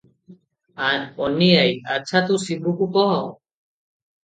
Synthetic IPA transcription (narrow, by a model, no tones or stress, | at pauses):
anɔnijajat͡ʃʰat̪usibukukɔɦɔ